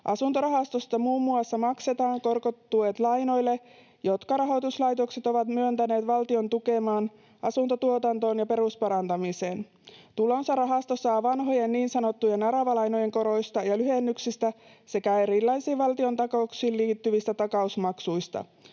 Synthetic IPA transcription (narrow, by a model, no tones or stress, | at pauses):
ʔɑsunt̪oɾɑɦɑst̪o̞st̪ɑmuːmːuɑsːɑmɑkse̞t̪ɑːŋko̞rkot̪ːuet̪lɑjno̞jlːe̞ | jo̞t̪kɑɾɑɦo̞t̪uslɑjt̪o̞kse̞t̪o̞ʋɑt̪myønt̪æne̞ːt̪ʋɑlt̪io̞nt̪uke̞mɑːn | ɑsunt̪ot̪uot̪ɑnt̪o̞ːnjɑpe̞ɾuspɑɾɑnt̪ɑmise̞ːn | t̪ulo̞nsɑrɑɦɑst̪osɑːʋɑnɦo̞jenːiːnsɑno̞t̪ːujenɑɾɑʋɑlɑjnoje̞ŋko̞ɾo̞jst̪ɑjɑlyɦenːyksist̪æse̞kæe̞ɾilːɑjsiːʋɑlt̪io̞nt̪ɑkouksiːlliːt̪ːyʋist̪æt̪ɑkɑusmɑksujst̪ɑ̰